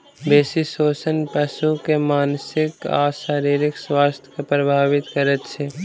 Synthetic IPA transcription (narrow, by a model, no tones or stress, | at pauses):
beːsisoːt͡ʃənpəʃukemaːnsɪka̰ʃaːɾiːɾɪkswaːst̪ʰj̥kepɾəbʱaːʋɪt̪kəɾət̪t͡ʃʰe